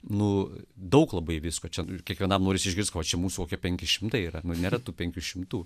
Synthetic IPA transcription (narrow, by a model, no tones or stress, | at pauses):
nʊd̪ɐʊklˠɐbɐɪʋʲɪskoːt͡ʃʲɛkʲiɛkʋʲiɛnɐmnoːɾʲɪsʲɪʒʲɡʲɪɾskɐʋɐt͡ʃʲɛmuːsukoːkʲiɛpʲɛŋʲkʲɪʃʲɪmt̪ɐɪiːɾɐnʊnʲeːɾɐt̪uːpʲɛŋʲkʲuːʃʲɪmt̪uː